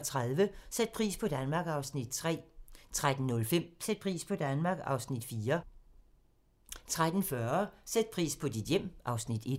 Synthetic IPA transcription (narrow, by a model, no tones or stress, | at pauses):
t͡sʰʁaðˠʋəsed̥̚pʰʁḭːspʰɒ̽d̥ænmɑ̈ːɡ̥ɑ̈ʊsnid̥t͡sʰʁɛ̰ːt͡sʰʁad̥n̩ːɔ̽lfem̰sed̥̚pʰʁḭːspʰɒ̽d̥ænmɑ̈ːɡ̥ɑ̈ʊsnid̥fiːɐ | t͡sʰʁad̥n̩fɶɐsed̥̚pʰʁḭːspʰɒ̽d̥id̥jem̰ʔɑ̈ʊsnid̥e̝d̥